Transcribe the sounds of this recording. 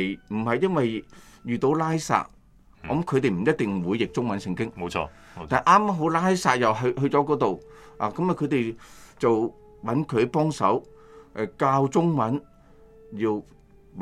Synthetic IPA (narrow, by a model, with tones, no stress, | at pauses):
m̩˨˩hɐ˨jːɐ˥nwɐ˨jjyː˨t̪o˨˥wlaː˥jsa̰ː˧˥t̚ | ɔ˨˥mkʰɵ˨˧t̪e˨jm̩˨˩jɐ˥t̚t̪ɪ˨ŋwuː˨˧jːɪ˨k̚t͡sʊ˥ŋmɐ˨˥nsɪ˧ŋkɪ˥ŋmo˧ɔ̰ː˧ | taː˨˩ʔaː˥ma˥ɦo˨˥wlaː˥jsa̰ː˧t̚jɐ˨wɦhɵ˧ɥt͡sɔ˨˥kɔː˨˥t̪o˨w | a̰ː˨˩kɐ˨˥mjɐ˨˩kʰɵ˧ɥt̪e˨jt͡sɐ˨w | wɐ˨˥nkʰɵ˨˧˥pɔː˥ŋsɐ̰˨˥w | kaː˧wt͡sʊ˥ŋmɐ˨˥n | jiː˧w